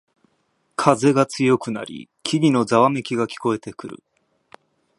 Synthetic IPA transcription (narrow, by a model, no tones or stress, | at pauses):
kʰaze̞ɡat͡sɨjo̞kɯ̟na̰ɾʲḭkʲʰiɡʲino̞zaβamekʲiɡakʲi̥ko̞e̞t̪e̞kɯ̟ɾɯ̰